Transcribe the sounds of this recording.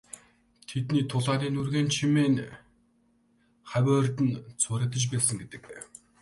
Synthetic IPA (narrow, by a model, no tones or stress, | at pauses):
t̪ʰet̪niːt̪ʰʊɮaːniːnurɣeːnt͡ɕʰimeːn | χæwʲæːrt̪ɘ̆nt͡sʰʊɾə̆t̪ə̆t͡ɕpæːsə̆ŋɡet̪ɘ̆k